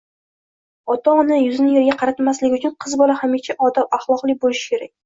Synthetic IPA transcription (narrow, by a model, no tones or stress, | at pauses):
ɒt̪ɒʊnɪjʊznɪjeɾɡʲaqʰɑɾat̪maslɪɡʲɪʊt͡ʃʰʊnqʰɨzbɒlˠahamet͡ʃʰaʔɒd̪apaχlˠɒqlˠɪbolɪʃɪ̥kʲʰe̞ɾak̚ʲ